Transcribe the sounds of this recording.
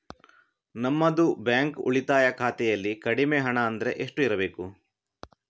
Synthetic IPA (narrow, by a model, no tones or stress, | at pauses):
nɐmːɐd̪ubjaːŋkṵɭit̪aːjɐkʰaːt̪ɛjɐlːikɐɽimeɦɐɳɐːnd̪ɐɾe̞ʔeʂʈuiɾɐbe̞ːku